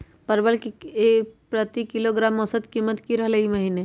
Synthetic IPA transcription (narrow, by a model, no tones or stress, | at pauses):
pɐɾbəlkiepɾət̪ikɪloɡɾaːmːɔsəd̪kimːət̪kiɾɐɦleimɐɦine